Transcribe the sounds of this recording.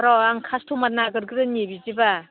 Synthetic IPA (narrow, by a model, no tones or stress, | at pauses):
ɾɔaŋkʰastʰumat̚naɡɯɾɡɯɾɯnebiziba